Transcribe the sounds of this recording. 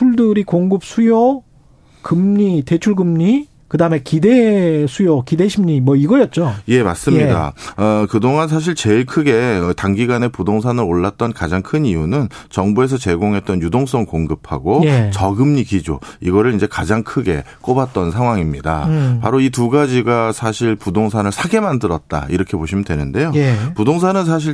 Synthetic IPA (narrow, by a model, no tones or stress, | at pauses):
pʰuɭdɯɾikoŋɡɯp̚sʰujo | kɯmɲite̞t͡ɕʰuɭɡɯmɲi | kɯdaɯme̞kide̞sʰujokideɕʰimɲimʌiɡʌjʌt̚t͡ɕ͈oje̞mas͈ɯmɲida̰ʌkɯdoŋansʰaɕ̬ʰiɭt͡ɕe̞iɭkʰɯɡe̞ʌtaŋɡiɡane̞pudoŋs̬ʰanɯɾoɭːat̚t͈ʌnkad͡ʑaŋkʰɯɲijunɯnt͡ɕʌŋbue̞sʰʌt͡ɕe̞ɡoŋɦe̞t̚t͈ʌnjudoŋs͈ʌŋkoŋɡɯpʰa̰ɡojet͡ɕʌɡɯmɲikid͡ʑo̰iɡʌɾɯɭind͡ʑe̞kad͡ʑaŋkʰɯɡe̞̰k͈obat̚t͈ʌnsʰaŋɦwaŋimɲida̰pa̰ɾoituɡad͡ʑiɡasʰaɕʰiɭpudoŋsʰanɯɭsʰaɡe̞mandɯɾʌt̚t͈a̰iɾʌkʰe̞poɕʰimɯndwe̞nɯnde̞jopudoŋs̬ʰanɯns̬ʰaɕ̬ʰiɭ